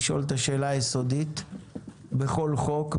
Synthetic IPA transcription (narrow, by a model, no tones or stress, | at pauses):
ʃʔo̞̰lt̪aʃe̞ːlajeso̞d̪it̪ | beχo̞lχo̞k